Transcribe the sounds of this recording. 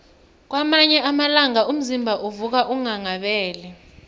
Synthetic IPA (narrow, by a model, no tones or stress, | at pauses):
k̬wamaɲɛʔamalaŋaum̩zimbʱaʔuvuk̬aʔuŋaŋaɓɛːlɛ